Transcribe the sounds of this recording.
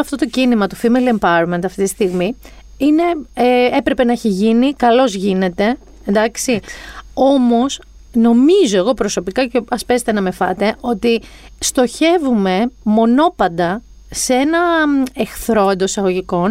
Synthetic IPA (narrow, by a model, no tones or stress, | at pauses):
ɐft̪o̞t̪o̞cinimɐt̪ofimelempɐɾment̪ɐft̪it̪i̥st̪iɣmi | ine̞e̞pɾe̞penɐeçiʝinikɐlo̞zʝine̞t̪e̞ | end̪ɐksio̞mo̞s | no̞mizo̞e̞ɣo̞pɾo̞so̞pikɐceɐspe̞set̪enɐme̞fɐt̪e̞ʔo̞t̪i | st̪o̞çe̞vume̞mo̞no̞pɐnd̪ɐ | see̞nɐexθɾo̞end̪osɐɣo̞ʝiko̞n